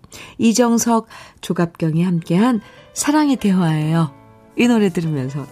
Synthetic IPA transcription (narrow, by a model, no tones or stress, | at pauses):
id͡ʑʌŋsʰʌk̚t͡ɕoɡap̚k͈jʌŋihamk͈e̞ɦansʰaɾaŋite̞waejo | inoɾe̞dɯɾimjʌnsʰʌ